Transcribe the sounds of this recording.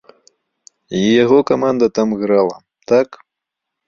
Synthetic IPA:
ijaɣɔkamand̪ɐt̪amɣɾalˠɐ̰ | t̪ak

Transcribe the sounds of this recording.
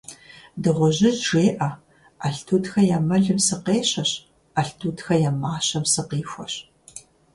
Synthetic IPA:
dɨʁʷʊʑɪʑʒeːʔɐ | ɐɬtʰuːtxɐjaːmɐɮɨmsɨqeːɕɐɕ | ɐɬtʰuːtxɐjamaːɕɐmsɨqiːxʷɔɕ

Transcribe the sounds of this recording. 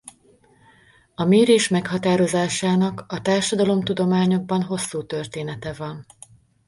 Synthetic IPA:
ɒmeːɾeːʃmɛkhɒt̪aːɾo̞zaːʃaːnɒkɒt̪aːrʃɒd̪ɒlo̞mt̪ud̪o̞maːɲo̞ɡ̚bɒnɦo̞sːuːt̪ørt̪eːnɛt̪ɛvɒn

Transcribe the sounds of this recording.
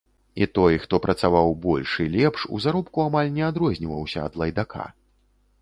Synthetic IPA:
it̪ɔjxt̪ɔpɾʔɐt̪savawbɔlʲʂilʲɛpʂṵzaɾɔpkuamalʲnʲɛad̪ɾɔzʲnʲivɐwsʲɐ̰ːd̪lˠɐjd̪akʰa̰

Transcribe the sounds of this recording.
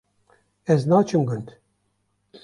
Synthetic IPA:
ɛznɑːt͡ʃʰɨmɡʊnd̪

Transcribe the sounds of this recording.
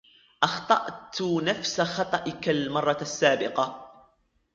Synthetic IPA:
ʔɑxt̪ˤɑʔt̪nafsaxɑt̪ˤɑʔɪkalmɑrˤːɑsːaːbɪqɑ

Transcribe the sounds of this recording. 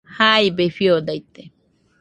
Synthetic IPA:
hajbefjod̪ajt̪e

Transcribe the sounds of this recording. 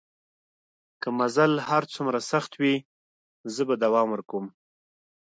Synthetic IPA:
kamazalhaɾt͡sumɾasaxt̪wi | zəbad̪awɑmwəɾkum

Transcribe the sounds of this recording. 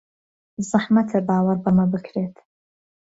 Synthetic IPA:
zˤɨħmɐt̪ʰɐbaːwɐɾbɐmɐbɨkʰɾeːt̪ʰ

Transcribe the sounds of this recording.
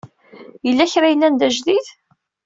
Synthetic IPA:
jəlːæçɾajəlːænd̪æʒðiθ

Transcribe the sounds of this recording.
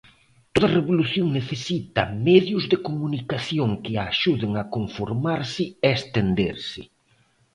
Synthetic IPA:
t̪oðɐreβoluθjoŋneθesit̪ɐ̰mɛðjʊzðɪkomunikaθjoŋkɪaʃuðɪŋakoɱfoɾmaɾsɪest̪end̪ḛɾsɪ

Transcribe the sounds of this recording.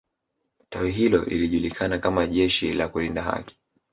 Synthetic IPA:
tawiɦilɔ̰lʔḭliʄulikʰanakamaʄɛʃḭlakulindaɦa̰ki̥

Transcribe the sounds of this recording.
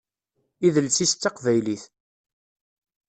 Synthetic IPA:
iðəlsist̪ːɑqvæjliθ

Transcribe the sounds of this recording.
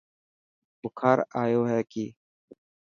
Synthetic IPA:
bʊkʰaːɾaːjoːɦɛːkiː

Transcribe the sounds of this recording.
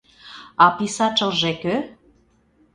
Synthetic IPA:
ɑpisɑt͡ʃəlʒekø

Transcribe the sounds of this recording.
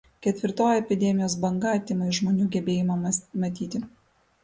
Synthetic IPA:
kʲɛt̪ʲʋʲɪɾt̪oːjɛpʲɪd̪ʲɛmʲɪjoːs̬bɐŋɡɑt̪ʲɪmɐɪʒmoːnʲuːɡʲɛbʲeːjɪmɐmɐt̪ʲiːt̪ʲɪ

